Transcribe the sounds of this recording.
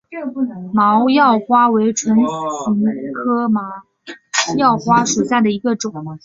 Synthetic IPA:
mɑ˧˥ʊjɑ˥˩ʊxwa˥we˧˥ɪʈ͡ʂʰwə˧˥nɕi˧˥ŋkʰɤ˥ma˧˩˥ | jɑ˥˩ʊxwa˥ʂu˨˩ɕja˥˩d̪ə˩i˧˥ɡə˧ʈ͡ʂʊ˨˩˦ŋ

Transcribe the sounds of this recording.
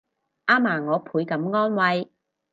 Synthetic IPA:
ʔaː˥maː˨˩ŋɔː˨˧pʰuː˨˥jkɐ˨˥mŋɔː˥nwɐ˨˧j

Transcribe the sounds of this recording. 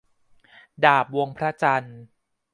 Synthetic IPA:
daː˨˩p̚wo˧ŋpʰɾa˦˥t͡ɕa˧n

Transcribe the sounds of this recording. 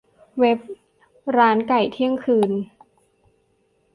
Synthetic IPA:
we˦˥p̚ | ɾaː˦˥nka˨˩jt̪ʰi˦˥˩əŋkʰɯː˧n

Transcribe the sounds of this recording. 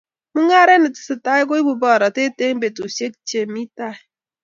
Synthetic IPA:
mu˦ŋa˦ɾe˦nə˨ti̥˨sə˨ta˦jɡo˦i˦bu˨ba˨ɾa˨te˦te˦ŋbe˨tu˨se˦kt͡ʃe˨mi˦ta˦˨j

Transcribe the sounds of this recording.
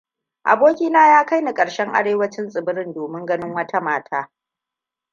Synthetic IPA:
ʔa̰˨boː˦kʲiː˦naː˦jaː˦ka˦jni˨kʼɐ˨ɽʃɛ˦ŋʔa̰˦ɽeː˦wɐ˦t͡ʃɪ˦nsʼɪ˨bɪ˦ɾɪ˦ndoː˨mɪ˦ŋɡɐ˦nɪ˦ŋwɐ˦tʰa˦maː˦tʰaː˦

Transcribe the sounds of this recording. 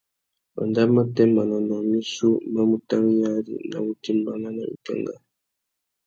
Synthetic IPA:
ma̰˨nda˦ma˦tɛ˦ma˨nɔ˨nɔ˨mi˦su˦ma˦mu˨ta˦ɾi˦ja˦dḭ˨na̰˨wu˦ti˦mba˦na˦na˨ḭ˨ka̰˦ŋɡa̰˦˨

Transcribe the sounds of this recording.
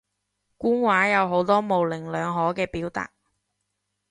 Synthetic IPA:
kuː˥nwaː˨˥jɐ˨˧wɦo˨˥wt̪ɔː˥mo˨wlɪ˨˩ŋlœː˨˧ŋɦɔː˨˥kɛː˧piː˨˥wt̪a̰ː˨t̚

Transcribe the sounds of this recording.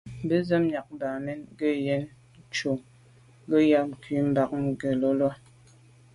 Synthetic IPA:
be˦zə˦m˦ɲa˨k̚ba˨me˦nɡə˦je˦n˦ | t͡ʃo˨˦ | ɡə˦ja˦˨ki˨˦m̩˦ba˦k̚ŋ̩˨ɡə˨lo˦lwa˦

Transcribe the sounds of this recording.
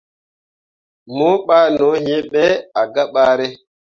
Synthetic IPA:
mo˦ɓaː˦nɔ˨˦he˦ɓɛ˦a˨ɡa˦ɓa˦ɾe˦

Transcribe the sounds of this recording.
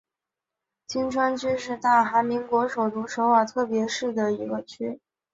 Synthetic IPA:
t͡ɕi˥nʈ͡ʂʰwa˥nt͡ɕʰy˥ʂɻ̩˥˧t̪a˥˩xa˧˥mi˧˥ŋkwɔ˧˥ʂo˨˩ʊt̪u˧˥ʂo˧˥ʊwa˨˩t̪ʰɤ˥˩pjɛ˧˥ʂɻ̩˥˩d̪ə˩i˧˥ɡə˧t͡ɕʰy˥

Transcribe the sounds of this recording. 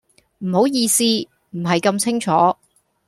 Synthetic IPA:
m̩˨˩ho˨˥wjiː˧siː˥ | m̩˨˩ɦɐ˨jkɐ˧mt͡sʰɪ˥ŋt͡ʃʰɔː˨˥

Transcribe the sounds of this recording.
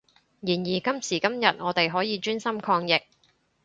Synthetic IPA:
jiː˨˩njiː˨˩kɐ˥msiː˨˩kɐ˥mjɐ˨t̚ŋɔː˨˧t̪e˨jɦɔː˨˥jiː˨˧t͡ʃyː˥nsɐ˥mkʰɔː˧ŋjɪ˨k̚

